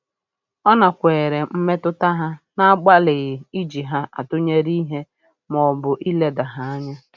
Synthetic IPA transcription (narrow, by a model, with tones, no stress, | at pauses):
ɔ˦na˨kʷeː˨ɾe˨m̩˦me˦tʊ˦ta˦ɦa˦na˦a˦ɡ͡ba˦lɪ˨ɣɪ˨i˦d͡ʒi˨ɦa˦ʔa̰˨tʊ˦ɲe˦ɾi˦ɦe˦ | mɔ˨bʊ˨ʔi˦le˦da˨ɦa˨˦a˦ɲa˦